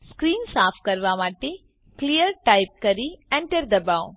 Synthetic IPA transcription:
skɾiːnsaːpʰkɐɾʋamaːʈe | klijəɾʈaɪp̚kɐɾiɛ̃ɳʈəɾd̪ɐbaːo

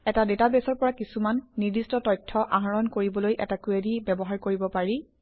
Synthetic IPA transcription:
ɛtadetabesɔɹpɔɹakisumanːiɹdistɔtɔjtʰːɔʔaɦaɹɔnkoɹibɔlojʔɛ̰takuedibɛbɔɦaɹkoɹibɔpaɹi

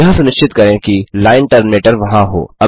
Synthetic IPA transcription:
ɐɦãsʊnɪʃt͡ʃɪt̪kɐɾẽkilaːɪnʈɐɾnmeːʈəɾʋɐɦãɦo̰ːɐ

